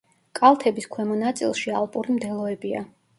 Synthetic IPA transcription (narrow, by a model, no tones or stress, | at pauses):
kʼalˠt̪ʰɛbiskʰwɛmɔnat̪sʼḭlˠʃialˠpʼuɾimd̪ɛlˠɔɛbia̰